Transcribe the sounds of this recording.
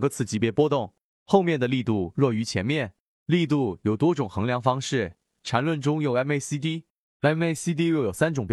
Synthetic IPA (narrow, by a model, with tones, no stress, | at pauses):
ŋɡə˧t͡sʰɹ̩˥˩t͡ɕi˧˨˩pjɛ˥˩pwɔ˥t̪ʊ˥˩ŋ | xo˥˧ʊmjɛ˥˩nd̪ə˩li˥˧t̪u˥˧ɻwɔ˥˩y˧˥t͡ɕʰjɛ˧˥nmjɛ˥˩n | li˥˧t̪u˥˩jo˨˩ʊt̪wɔ˥ʈ͡ʂʊ˨˩ŋxɤ˧˥ŋljɑ˧˥ŋfɑ˥ŋʂɻ̩˥˩ | ʈ͡ʂʰa˧˥nlwə˥˩nʈ͡ʂʊ˥ŋjo˨˩ʊɛ˥ne˥ɪsi˥t̪̬i˥ | ɛ˥ne˥ɪsi˥t̪̬i˥ɻwɛ˥˩jo˨˩sa˥nʈ͡ʂʊ˨˩ŋp